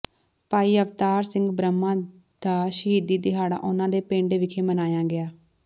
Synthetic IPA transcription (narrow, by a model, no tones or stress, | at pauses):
paːiːəʋt̪aːɾsɪ̃ŋɡbɾəmːãː | d̪̥aːʃəɦiːd̪iːd̪ɪɦaːɽã̰ːʔʊnãːd̪eːpẽːɳɖʋɪkʰeːmənaːjãːɡɪaː